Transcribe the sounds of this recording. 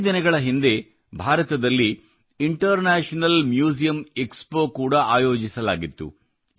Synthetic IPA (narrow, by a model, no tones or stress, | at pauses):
d̪inɐɡɐɭɐɦind̪e̞ | bʱaːɾɐt̪ɐd̪ɐlːi | iɳʈɐɾnaːʂɐnɐlmjuːs̬ijɐmekspo̞ːkuːɽɐaːjo̞ːd͡ʒisɐla̰ːɡit̪ːṵ